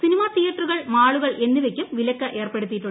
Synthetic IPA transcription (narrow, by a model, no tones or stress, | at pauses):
sinimaːt̪ijɐʈruɣɐɭmaːɭuɣɐɭʔe̞nːiʋe̞kʲːumʋilɐkːɐʔe̞ːrpe̞ɽut̪ːiʈːu